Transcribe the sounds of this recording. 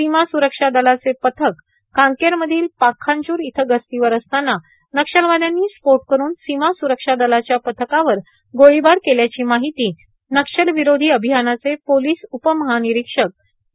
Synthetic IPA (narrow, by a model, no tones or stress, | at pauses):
simasuɾəkʂad̪əlat͡sepət̪ʰəkː | ãŋkeɾməd̪ʱiːlpakʰːãɲt͡ɕuːɾit̪ʰəɡəst̪iʋəɾəst̪anːa | nəkʂəlʋad̪janːiːspoʈkəɾuːnsimasuɾəkʂad̪əlat͡ɕjapət̪ʰəkaʋəɾ | ɡoɭibaɾkeljat͡ɕiːmaɦit̪iː | nəkʂəlʋiɾod̪ʱiːəbʱiɦanat͡sepoliːsupəməɦaniɾikʂək̚